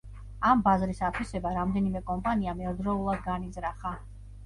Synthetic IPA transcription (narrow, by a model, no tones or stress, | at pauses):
ambazɾisat̪ʰwisɛbaɾamd̪ɛnimɛkʼɔmpʼaniamɛɔɾd̪ɾɔulˠad̪̚ɡanizɾaχa